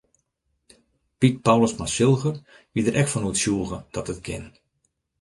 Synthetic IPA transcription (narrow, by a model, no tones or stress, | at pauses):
pit̚pawləsmasɪlˠɣər | ʋidəɾʔɛkfɔnuətsjuːəɣəd̥ɔtət̚kʰɪ̰n